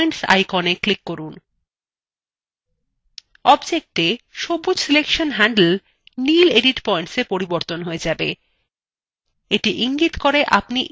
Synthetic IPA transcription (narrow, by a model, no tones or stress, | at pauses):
jɳʈsa̰jkoneklikːoɾun | ɔbd͡ʑek̚ʈeʃobːod͡ʑsilekʃonɦæɳɖl | nileɖiʈpɔjɳʈsepoɾiboɾt̪onɦoed͡ʑabe | eʈiʔiŋɡit̪koɾeʔapniʔ